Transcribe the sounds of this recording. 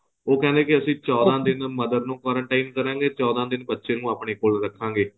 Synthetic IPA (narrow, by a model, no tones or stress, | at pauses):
oːkɛ̃ːnd̪eːkɪəsĩːt͡ʃɔːd̪ãːd̪ɪnməd̪əɾnũːkɔːɾəɳʈaːinkəɾãːɡeːt͡ʃɔːd̪ãːd̪ɪnbətːʃẽːnũːaːpɳeːkoːlɾəkʰːãːŋɡeː